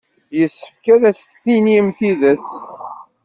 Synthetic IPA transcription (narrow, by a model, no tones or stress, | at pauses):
jəsːə̥fkæðæst̪θiniəmθiðət͡s